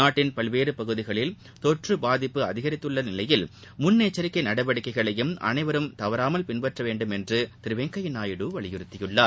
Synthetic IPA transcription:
naːʈːɪnpɐlʋeːɾɯpɐɣɯðɪɣɐɭɪl | t̪ɔʈrɯbaːðɪpːɯɐðɪɣɐɾɪt̪ːɯɭːɐnɪlɐjɪl | mʊnːeːt͡ʃːɐɾɪkːɐɪnɐɽɐʋɐɽɯkːɐɪɣɐɭɐjɯmʔɐ̰nɐɪʋɐɾɯmt̪ɐʋɐɾaːmɐlpɪnbɐʈrɐʋeːɳɖɯmɛndrɯt̪ɪɾɯʋeːŋkɐjɪnaːjɪɽɯːʋɐɭɪjɪɾɯt̪ːɪjɯɭːaː

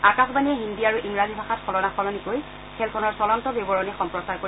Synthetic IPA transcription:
akasbaniɛɦindiaɹuʔiŋɹazibʱaxatkʰɔlɔnaxʰɔlɔnikoj | kʰɛlkʰɔnɔɹsɔlantɔbebɔɹɔnɛxɔmpɹɔsaɹko

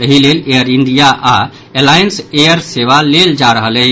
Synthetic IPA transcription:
əɦilelejəɾinɖ̪ijaʔa | elajənsejəɾseʋaleld͡ʒaɾəɦələ

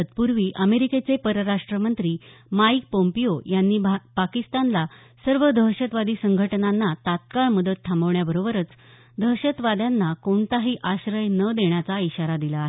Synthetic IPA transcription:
ət̪puɾʋiːʔəmeɾiket͡sepəɾəɾaʂʈɾəmənt̪ɾiːmaik̚pompijojanːiːpakist̪anla | səɾʋəd̪ʱəɦɕət̪ʋad̪iːsəŋɡʱəʈnanːat̪at̪̚kaɭməd̪ət̪̚t̪ʰːambəʋɳjabəɾobəɾət͡s | d̪ʱəɦɕət̪ʋad̪janːakoɳt̪aɦiːʔaɕɾəjnəd̪eɳjat͡saiɕaɾad̪ilaːɦe

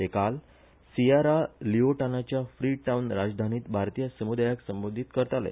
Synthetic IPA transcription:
t̪ekal | siaɾalioʈanat͡ɕjafɾiːʈaunɾad͡ʑd̪ʱaniːt̪bʱaɾt̪ijəsəmud̪ajaksəmbod̪ʱit̪kəɾt̪alḛ

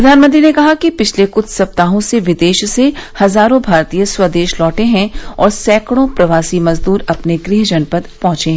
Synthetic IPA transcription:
ɾɐd̪ʱaːnmə̃nt̪ɾinekɐɦakipɪt͡ʃʰlekʊt͡ʃʰsɐp̚t̪aːɦõseʋɪd̪eːʃsehɐzaːɾõbʱaːɾt̪iːjəswɐd̪eːʃlɔːʈeɦɛ̃ɔːɾsɛːkɽ̃õpɾɐʋaːsimɐzd̪uːɾɐpneɡɾɪɦd͡ʒɐnpəd̪pɔ̃ɦʊ̃t͡ʃeɦɛ̃

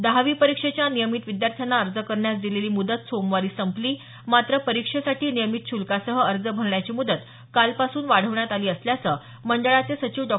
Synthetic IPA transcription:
d̪aɦaʋiːpəɾikʂet͡ɕjanijəmit̪ʋid̪jaɾt̪ʰjanaəɾd͡zəkəɾɳjasd̪ileliːmud̪ət̪somʋaɾiːsəmpliː | mat̪ɾəpəɾikʂəsaʈiːnijəmit̪ɕulkasəɦəəɾd͡zəbʱəɾɳjat͡ɕimud̪ət̪ | kalpasuːnʋaɽ̤əʋɳjat̪aliːəsljat͡sə | məɳɖəɭat͡sesət͡ɕiːʋɖɔ

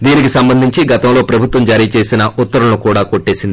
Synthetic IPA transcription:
d̪iːnikisɐmbɐnd̪ʱiɲt͡ʃiɡɐt̪ɐmlo̞ːpɾɐbʱut̪ʋɐmd͡ʒaːɾiːt͡ʃe̞ːsinɐʔut̪ːɐɾunukuːɽaːko̞ʈːe̞ːsind̪i

